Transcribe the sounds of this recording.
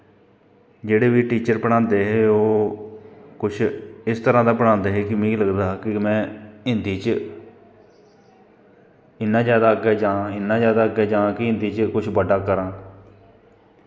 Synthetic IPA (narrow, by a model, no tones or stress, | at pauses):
d͡ʒeːɽeːʋiːʈiːt͡ʃəɾpəɽãːnd̪eːɦɛːoː | kʊt͡ʃʰɪst̪əɾãːd̪aːpəɽ̃ãːnd̪eːɦeːkɪmĩːləɡd̪aːɦkɪmɛ̃ːɪnd̪iːt͡ʃ | ɪnːãːzjaːd̪aːɡɛːd͡ʒãːɪnːãːzjaːd̪aːəɡɛːd͡ʒãːkɪɪ̃nd̪iːt͡ʃkʊt͡ʃʰbəɖaːkəɾãː